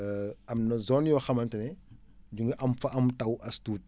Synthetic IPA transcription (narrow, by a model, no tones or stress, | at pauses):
ɐmnɐzɔnjɔxɐmɐntɛnɛ | ɟuŋɡɐʔɐmfɐʔɐmtɐwʔɐstuːt̚